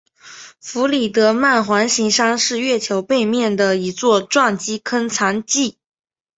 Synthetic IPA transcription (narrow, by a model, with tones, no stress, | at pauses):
fu˧˥li˨˩t̪ɤ˧˥ma˥˩nxwa˧˥nɕi˧˥ŋʂɑ˥ŋʂɻ̩˥˧ɥɛ˥˩t͡ɕʰjo˧˥ʊpe˥˧ɪmjɛ˥˩nd̪ə˩i˧˥t͡swɔ˥˧ʈ͡ʂwɑ˥˩ŋt͡ɕi˥kʰə˥nt͡sʰɑ˧˥ŋt͡ɕi˥˩